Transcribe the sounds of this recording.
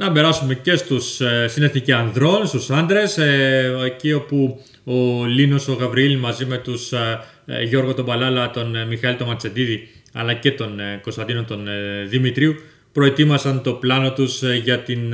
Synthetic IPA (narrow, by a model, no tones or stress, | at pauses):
nɐbe̞ɾɐsume̞ce̞st̪ussine̞θniciɐnðɾo̞nst̪usɐnd̪ɾe̞secio̞pu | olinoso̞ɣɐvɾiilmɐzime̞t̪us | ʝo̞ɾɣot̪o̞bɐlɐlɐt̪o̞nmixɐilt̪o̞mɐt͡se̞d̪iðiɐ̰lɐce̞t̪o̞nko̞st̪ɐnd̪inot̪onðimit̪ɾiu | pɾo̞et̪imɐsɐnt̪o̞plɐno̞t̪usʝɐt̪in